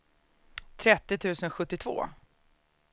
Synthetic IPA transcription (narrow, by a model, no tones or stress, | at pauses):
t̪ʰɾɛt̪ːɪt̪ʰʉ̟ːsənɧɵt̪ːɪt̪ʰvo̰ː